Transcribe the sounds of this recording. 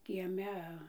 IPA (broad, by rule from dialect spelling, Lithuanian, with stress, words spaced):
kʲiɛˈmʲɛ